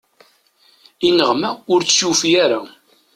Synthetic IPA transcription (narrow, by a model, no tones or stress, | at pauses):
inəʁmæʊɾt͡ssjufijaɾa